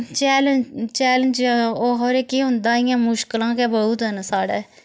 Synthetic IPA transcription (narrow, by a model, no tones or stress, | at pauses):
t͡ʃɛːlət͡ʃɛːlənd͡ʒoːɦoːɾeːkiːɦʊ̃nd̪ãːɪjãːmʊʃkəlãːkɛːbəuːt̪ɦənsaːɽeː